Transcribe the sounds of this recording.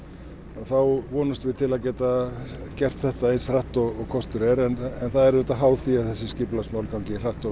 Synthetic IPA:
aðθawvɔːnast̪vɪt̪ʰɪlaðcɛːt̪acɛr̥t̪θɛht̪aejnsraht̪ɔɣɔɣkʰɔst̪ʏɾɛɾɛnɛnθaðɛɾðɛt̪aɦaːwθiaðθɛsːɪscɪplasmawlkaw̃cɪr̥aht̪ɔ

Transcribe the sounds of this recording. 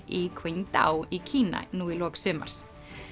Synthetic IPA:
ikʰveɲt̪a̰ːwicʰiːna̰nuːilɔːksʏːma̰ɾ̥s

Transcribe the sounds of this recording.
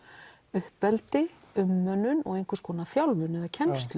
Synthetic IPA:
ʏhpɛlt̪ɪ | ʏmːœnːʏnɔ̰ɣejŋkʰʏskʰɔːnaθjawlvʏnɛðacʰɛnst̪l

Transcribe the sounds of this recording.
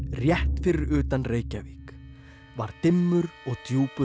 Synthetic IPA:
rjɛht̪fɪɾɪɾʏːt̪anreːjcaviːk | vaɾ̥t̪ɪmːʏɾɔɣt̪juːpʏ

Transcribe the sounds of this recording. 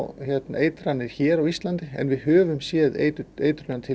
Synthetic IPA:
çjɛt̪na̰eːjt̪ɾanːɪɾ̥çɛːɾawist̪lant̪ɪɛ̰nvɪðɦœːvʏmsjɛːðḛjt̪ʏejt̪ʏɾlœːant̪ʰɪ

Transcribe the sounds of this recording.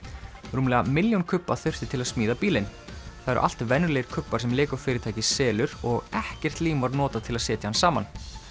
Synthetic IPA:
ruːmlɛːɣamɪljawnkʰʏpːa̰θʏr̥t̪ɪt̪ʰɪlaðsmiːðapiːlɪnθaðɛɾ̰ʔa̰l̥t̪vɛnʏɾlɛːɪɾ̥kʰʏpːaɾ̥sɛmlɪːkafɪːɾɪt̪ʰaːjcɪsɛːlʏɾɔɣɛhcɛr̥t̪liːmvaɾnɔːt̪at̪ʰɪlaðsɛːt̪jahansaːman

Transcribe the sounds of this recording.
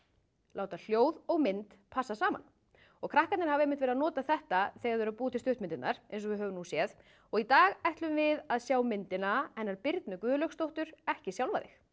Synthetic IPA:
lʔaːwt̪al̥joːwðɔɣmɪnt̪pʰasasaːma̰n | ɔɣkʰɾahkat̪nɪɾhavejmɪnt̪vɛɾðanɔːt̪aθɛht̪aθɛɣaɾvɛɾapuːt̪ʰɪlst̪ʏht̪mɪnt̪ɪt̪nnaɾ̥ejns̬ɔvɪðɦœːvʏnusjɛð | ɔɣit̪aːɣajht̪lʏmvɪðaðsjaːwmɪnt̪ɪnaɛnːaɾpɪɾt̪nʏkvʏːðʏlœkst̪owht̪ʏɾ̥ɛhcɪsjawlvaðɪ̰x

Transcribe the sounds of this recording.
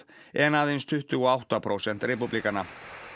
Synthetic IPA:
ɛnaðenst̪ʰʏht̪ʏɔawht̪apʰɾʔowsɛn̥t̪rɛpuplikanːa

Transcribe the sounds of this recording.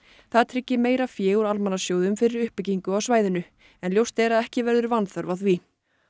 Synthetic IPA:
θaðt̪ʰɾɪcːɪmeːjɾafjɛːɣuɾalmanasjoːwðʏmfɪɾɪɾʏhpɪciŋkʏawsvaːjðɪnʏ | ɛnljowst̪ɛːɾaðɛhcɪvɛɾðʏɾvanθœɾvaθvi

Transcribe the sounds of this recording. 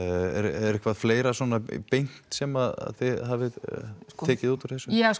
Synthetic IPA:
ɛ̰ɾɛɾɪhkvaðfleːjɾasɔːnapejn̥t̪sɛmaða̰ðθɪðɦaːvɪðt̪ʰɛːcɪðuːt̪uɾ̥θɛsʏa

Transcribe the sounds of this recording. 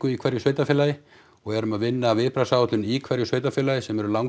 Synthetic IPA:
kʏikʰvɛɾjʏseːjt̪afɪːlajɪ | ɔɣɛɾʏmaðvɪnːaːvɪpɾasawt̪lʏnikʰvɛɾjʏsveːɥt̪afɪːlajɪsɛmɛɾʏlawŋ

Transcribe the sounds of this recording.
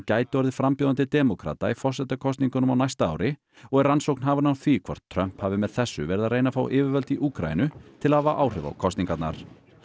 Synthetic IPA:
caːjt̪ɪɔɾðɪfɾampjoːðant̪ɪt̪ɛmokʰɾa̰ːt̪aifɔrsɛt̪akʰɔst̪niŋkʏnʏmawnajst̪aa̰ːwɾɪ | ɔɣɛɾrːansowkn̥haːvanaw̪θvikʰvɔ̰r̥tt̪ʰːɾœm̥phaːvɪmɛð̥θɛsːʏ̰vɛɾɪðaɾrejnafa̰ːwʔɪːvɪɾvœlt̪iʔuːkɾa̰j̰nʏt̪ʰɪlaavaʔaːwr̥ʏva̰wkʰɔst̪niŋkat̪na̰ɾ̥

